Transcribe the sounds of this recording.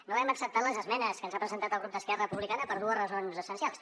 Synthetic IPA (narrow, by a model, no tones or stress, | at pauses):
noɛməksəp̚t̪at̪ləzəzmɛnəskənzapɾəzənt̪at̪əlɣɾup̚d̪əskɛrəpuβlikanəpəɾð̞uəzrəzonzəsənsialˠs